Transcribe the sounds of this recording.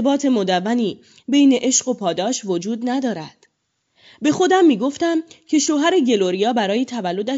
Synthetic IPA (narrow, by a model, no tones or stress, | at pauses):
bɒːt̪ʰe̞mod̪ævːæniː | be̞jne̞ʔe̞ʃɢo̞pʰɒːd̪ɒːʃvod͡ʒuːd̪næd̪ɒːɾæd̪̥ | be̞xo̞d̪æmːiːɡo̞ft̪æmcʰe̞ʃoɦæɾe̞ɟe̞loɾijɒːbæɾɒːjet̪ʰævælːo̞d̪æ